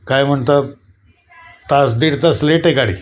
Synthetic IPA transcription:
kajm̤əɳt̪a | t̪asd̪iɾt̪asleʈekaɽḭ

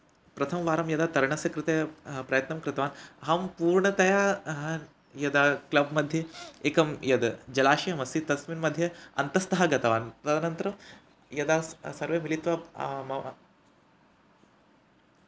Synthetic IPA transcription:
pɾɐt̪ʰɐmʋaːɾɐmjɐd̪aːt̪ɐɾɐɳɐsɐkɾɪt̪ɐjpɾɐjɐt̪nɐmkɾɪt̪ɐʋaːnɦɐmpuːɾɳɐt̪ɐjaː | jɐd̪aːklɐbmɐd̪ʱjɐeːkɐmjɐd̪d͡ʒɐlaːʃiɦɐmɐsit̪ɐsminmɐd̪ʱjɐɐ̰nt̪ɐst̪ɐɦɐɡɐt̪ɐʋaːnt̪ɐd̪ɐnɐnt̪ɾɐ | jɐd̪aːsɐɾʋeːmilit̪ʋamɐ

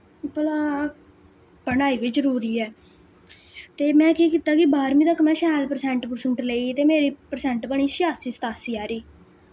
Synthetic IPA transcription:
pəlaː | pəɳaːiːʋɪt͡ʃzəɾuːɾiːɛː | t̪eːmɛ̃ːkiːkiːt̪aːkɪbaːɾmĩːt̪əkmɛ̃ːʃɛːlpəɾsɛ̃ɳʈpʊɾsəɳʈleiːt̪eːmeːɾiːpəɾsɛ̃ːɳʈbəɳ̃iːsɪjaːsiːst̪aːsiːaːɾiː

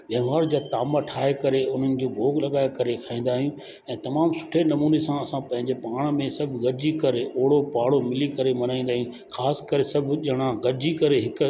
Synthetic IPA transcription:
ʋɐ̃ɦʋaːɾd͡ʑaːt̪aːmaʈʰaːekɐɾeʊn̤ənɪ̆d͡ʑoːbʱoːɡlɐɠaːjokɐɾekʰaːĩːn̆d̪aːɦijũː | ɛ̃ːt̪ɐmaːmsʊ̥ʈʰenɐmuːnesãɐsãpɐ̃ɦɪ̃ɲd͡ʑepaːɽ̃mẽsɐbʱɡɐɾd͡ʑikɐɾeʔoːɽopaːɽomɪlikɐɾemɐnaːĩːnd̪aːɦiũ | xaːskɐɾesɐbʱʄɐɽ̃ãɡɐɾd͡ʑikɐɾeɦɪk

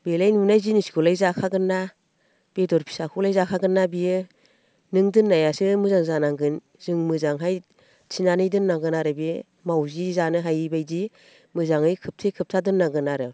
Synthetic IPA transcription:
belajnunajzinisɡɔlajzakʰaɡɯnːa | b̥edɔɾpʰi̥sakʰulajzakʰaɡɯnːabijɯ | nɯŋdɯnːajasɯmɯzaŋzanaŋɡɯn | zɯŋmɯzaŋɦaj | t͡ʃʰinanɯjdɯnːaŋɡɯnaɾɯbi | mawzizanɯɦajibajzi | mɯzaŋɯjkʰɯp̚tʰekʰɯp̚tʰadɯnːaɡɯnaɾɯ

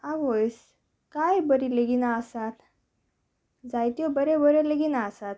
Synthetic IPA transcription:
aʋojs | kajbəɾileɡinaəsat̪ | d͡zajt̪jɔbəɾebəɾeleɡinaːsat̪̚

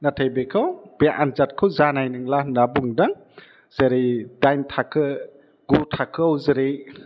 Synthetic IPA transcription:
nat̪ʰəjbekʰəwbeʔanzat̚kʰəwzanajnɯŋlanabuŋdaŋ | z̥əɾidajntʰakʰə | ɡ̥utʰakʰɯwzəɾi

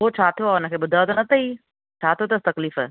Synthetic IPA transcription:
ɦot͡ʃʰaːt̪ʰijoaʊnə̆kʰeːbʊd̪ʱaot̪onɐt̪ʰəiː | t͡ʃʰaːt̪ʰiot̪ɐst̪ɐkliːfɛ

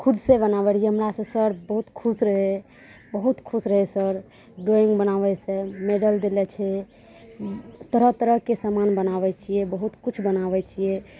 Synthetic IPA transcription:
kʰud̪sẽbənabɛɾiɛɦəmɾasə̃səɾbəɦut̪kʰusɾəɦɛ | bəɦut̪kʰusɾəɦɛsəɾ | ɖoiŋɡbənaβɛsɛmeɖəld̪elɛt͡ʃʰɛ | t̪əɾəɦt̪əɾəkesamanbənaβɛt͡ʃʰiɛbəɦut̪kut͡ʃʰbənabɛt͡ʃʰijɛ

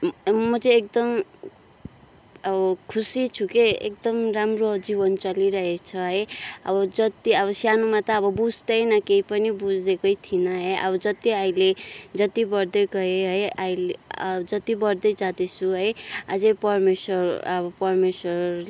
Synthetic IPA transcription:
mʌt͡sʌ̃ek̚d̪ʌm | ʌbʌkʰusit͡sʰukeḛk̚d̪ʌmramrod͡zibʌnt͡sʌliɾʌɦet͡sʰʌɦʌjʌ̰bʌd͡zʌt̪iʌβʌsjanumat̪ʌːbʌbud͡zd̪ʌjnʌkeipʌnibud͡zekʌjt̪ʰinʌɦʌjʔʌ̰bʌd͡zʌt̪iailed͡zʌt̪ibʌrd̪ʌjɡʌɦeɦʌjaild͡zʌt̪ibʌrd̪ʌjd͡zad̪et͡sʰuɦʌjad͡zepʌrmeswʌʌbʌpʌrmeswʌr

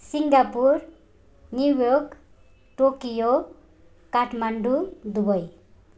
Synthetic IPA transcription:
siŋɡapuɾ | njujok | ʈokijo | kaʈʰmaɳɖud̪ubʌj

